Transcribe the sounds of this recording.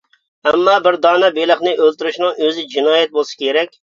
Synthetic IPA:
ɛmːɑːbɪɾd̪ɑːnɛbelˠəχnɪʔølt̪yɾyʃnɨŋøzɪd͡ʒinɑːjɛt̪̚bolˠsɪ̥kʲʰeɾɛkʲ

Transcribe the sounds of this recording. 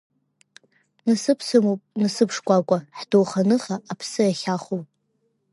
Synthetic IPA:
nɨsɨpʰsɨmopʼnɨsɨpʰʂkʷʼakʷʼaħdowχanɨχaːpʰsɨjaχʲaχopʼ

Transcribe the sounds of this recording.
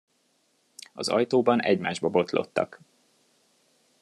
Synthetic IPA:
ɒzɒjt̪oːbɒnɛɟmaːʒbɒbo̞t̪lo̞̰t̪ːɒ̰k

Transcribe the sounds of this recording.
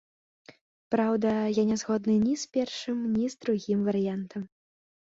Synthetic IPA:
pɾawd̪ɐjanʲɛzɣɔd̪nɨnʲispʲɛrʂɨmnʲizd̪ɾuɣʲimvɐɾɨjant̪ɐm

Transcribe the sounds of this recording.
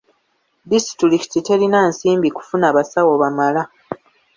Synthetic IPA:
disi̥tiɾiki̥tite̞ɾinansiːmbiku̥funaːβasawoβamala

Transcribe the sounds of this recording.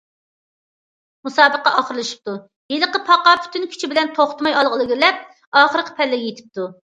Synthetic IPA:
musɑːbəqːɑʔɑχəɾlˠɨʃi̥p̚t̪u | jeləqəpʰɑqɑpʰy̥t̪ynkʲʰy̥t͡ʃʰibɪlɛnt̪ʰoχt̪ʰmɑjɑlˠʁəlˠɨɡʲɪlɛp̚ | ɑːχəɾəqʰə̥pʰɛlːɪɡʲɛjet̪ʰɪ̥p̚t̪u

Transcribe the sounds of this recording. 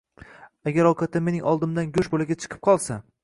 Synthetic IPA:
aɡʲaɾɒwqʰɑt̪ʰɪmːe̞nɪŋʔɒlˠd̪ɪmd̪anɡʲʊʃbolɪɡʲat͡ʃʰɨ̥qʰɨ̥p̚qʰɒlˠsa

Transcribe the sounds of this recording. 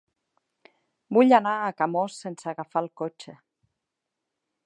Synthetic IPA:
buʎanaːkamosːensaɣafalˠkot͡ʃe

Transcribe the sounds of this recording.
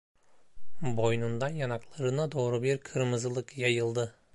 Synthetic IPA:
bo̞jnund̪ɑnjɑnɑqlˠɑɾɯnad̪oːɾubiɾkʰɯɾmɯzlˠɯqjɑjɯlˠd̪ɯ

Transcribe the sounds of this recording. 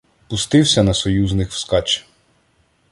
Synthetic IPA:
pʊst̪ɪwsʲɐnɐsɔjuznɪxwskɑt͡ʃ

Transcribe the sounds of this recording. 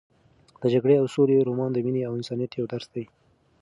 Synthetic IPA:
d̪̥əd͡ʒaɡɽeawsoleɾomɑnd̪əmineawɪnsɑnijat̪jawd̪aɾsd̪aj

